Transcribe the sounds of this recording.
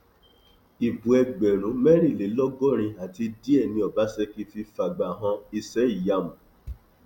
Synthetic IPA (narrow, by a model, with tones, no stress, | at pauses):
i˨bũ˨ɛ˧ɡ͡bɛ˨ɾ̃ũ˨˦mɛ˦ɾ̃i˦˨le˨˦lɔ˦ɡɔ˦ɾ̃ĩ˧a˨ti˧di˦ɛ˦˨nĩ˧ɔ˨ba˨˦sɛ˦ki˦fi˧fa˨ɡ͡ba˨ɦã˧i˧sɛ˦i˦˨ja˧mũ˨